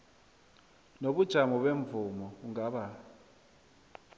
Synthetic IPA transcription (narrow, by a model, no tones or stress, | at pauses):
noɓud̥ʒ̥ʱamɔɓeɱvumɔuŋaɓa